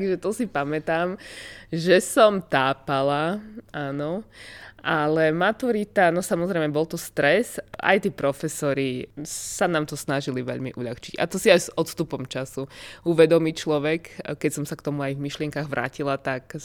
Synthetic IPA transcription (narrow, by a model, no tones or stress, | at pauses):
ɡʒɛt̪ɔsipamɛt̪aːmʒɛsɔmt̪aːpalaaːnɔʔalɛmat̪uɾit̪anɔsamɔzɾɛɪmɛbɔlˠt̪ɔst̪ɾɛsa̰jt̪iːpɾɔfɛsɔɾisanaːmt̪ɔsnaʒiliʋɛ̰ʎmḭʔuʎa̰xt͡ʃiɟa̰t̪ɔsiajzɔt̪st̪upɔmt͡ʃasuuʋɛd̪ɔmict͡ʃlɔʋɛkkːɛcsɔmsakt̪ɔmuajvmiʃlɪɛŋkaːɣʋɾʔa̰ːcilat̪ak